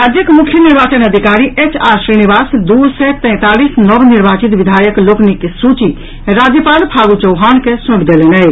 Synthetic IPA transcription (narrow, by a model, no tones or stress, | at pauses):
əd̪ʱjəkmukʰːjəniɾbat͡ʃənəd̪ʱikaɾiʔet͡ʃaɾsɾinibasd̪usɛt̪ɛ̃t̪alisnəbniɾbat͡ʃit̪ʋid̪ʱajəkloknikesut͡ʃi | ɾad͡ʒjəpalpʰaɡut͡ʃəwɦankesũʈd̪elɛnə